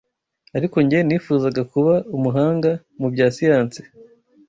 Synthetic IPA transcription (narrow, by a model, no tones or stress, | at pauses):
aɾiko̞ɲɟieniːfuːzaɡakuβaumuɦaːŋɡa | mubɟaːsijaːnse̥